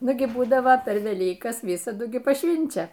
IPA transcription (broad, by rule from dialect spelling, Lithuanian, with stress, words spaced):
ˈnʊɡʲɪ ˈbuːdɐʋoː pʲɛr ʋʲɛˈlʲiːkɐs ˈʋʲɪsɐdʊ ˈɡʲɪ pɐˈʃʲʋʲɪnʲt͡ʃʲɛ